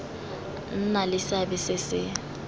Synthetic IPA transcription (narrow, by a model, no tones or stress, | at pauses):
n̩nalɪsabɪsɪsɪ